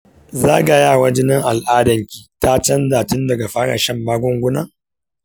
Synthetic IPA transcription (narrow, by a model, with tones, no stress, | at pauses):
zaː˦ɡa˨jaː˦˨wɐ˦d͡ʒɪ˦nɐ˦ŋʔa˨lʔaː˦dɐ˨ŋkʲiː˨ta˦t͡ʃɐ˦ndaː˨tɪ˦ndɐ˨ɡa˨ɸaː˦ɽa̰˨ʃɐ˦mbaː˦ɡʷɔ˦ŋɡʷʊ˦naː˦